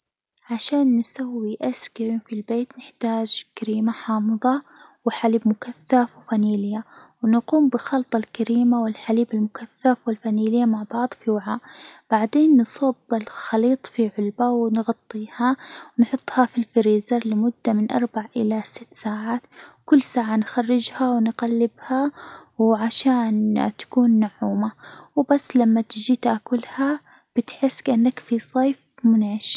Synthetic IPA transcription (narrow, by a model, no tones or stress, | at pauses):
ʕaʃaːnːsawːiʔaskaɾiːmfilbeːt̪nɪħt̪aːd͡ʒkaɾiːmaħɑːmɨðˤɑ | wɪħaliːbmʊkaθːafwfaniːlɪjːawnɑquːmbɪxɑlt̪ˤɑlkaɾiːmawɪlħaliːbalmʊkaθːafwɪlfaniːlɪjːamaʕbɑʕd̪ˤfiwaʕaːʔb̥aʕd̪eːnːsˤuːbɪlxɑliːt̪ˤfiʕʊlbawɪnɣɑt̪ˤːiːhawnħʊt̪ˤːhɑfilfɪɾiːzɑɾˤlɪmʊd̪ːamɪnʔɑ̰ɾˤbaʕʔɪlasɪt̪ːsaːʕaːt̪wkʊlːsaːʕanxarːɪd͡ʒhawnqalːɪbhawʕaʃaːnt̪ḁkuːnmaʕːuːmawbasːlamːat̪ɪd͡ʒiːt̪ʔakʊlha | b̥ɪt̪ħɪsːkʔɪnːakfisˤɑːfmʊnʕɪʃ